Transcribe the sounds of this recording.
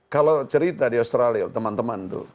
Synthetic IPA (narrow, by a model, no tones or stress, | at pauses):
kalot͡ʃəɾit̪adiost̪ɾaliat̪əmant̪əmant̪ṵ